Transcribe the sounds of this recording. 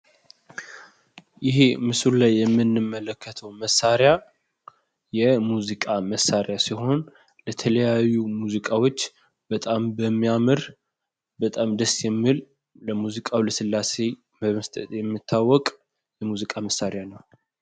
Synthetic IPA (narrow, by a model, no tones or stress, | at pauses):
jɪɦemɨsulajːɛmːɨnːɨmːələkːət̪ʰəwməsːaɾja | jɛmuzikʼaməsːaɾjasiɦo̞n | lət̪ʰələjajːumuzikʼawo̞t͡ʃː | bət̪ʼambəmːijamɨɾ | bət̪ʼamd̪əsjɛmːɨl | ləmuzikʼawləsɨlːase̞ | məməst̪ʼə̰t̪ʼjɛmːɨt̪ʰːawːɔkʼ | jɛmuzikʼaməsːaɾjanəw